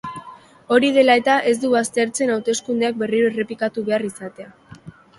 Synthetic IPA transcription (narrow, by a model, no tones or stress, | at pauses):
o̞ɾið̞e̞lae̞t̪aʔe̞zd̪uβast̪e̞ɾt͡se̞nawt̪e̞skund̪eak̚be̞riɾoere̞plikat̪uβe̞arisat̪e̞a